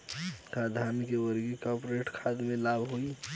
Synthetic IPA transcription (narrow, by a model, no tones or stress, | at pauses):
kad̪ʱamikewəɾɡikɔpɾeʈkʰaːd̪mẽlaːbʱɦoi